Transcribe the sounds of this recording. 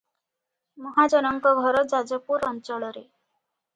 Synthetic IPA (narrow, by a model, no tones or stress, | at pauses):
mɔɦad͡ʒɔnɔŋkɔɡʱɔɾɔd͡ʒad͡ʒɔpuɾɔnt͡ʃɔɭɔɾe